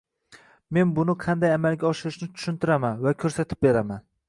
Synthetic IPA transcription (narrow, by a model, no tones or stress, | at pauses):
me̞nbʊnɪqʰɑnd̪ajamalɡʲaɒʃɪɾɪʃnɪt̪ʰʊ̥ʃʊnt̪ʰɪɾamanvakʲʰɵɾsat̪ʰɪp̚be̞ɾaman